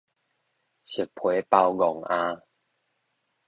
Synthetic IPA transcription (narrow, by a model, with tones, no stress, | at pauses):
ɕɨ˨˩k̚pʰwe˨˦pa˧wɡɔ˨˩ŋʔãː˧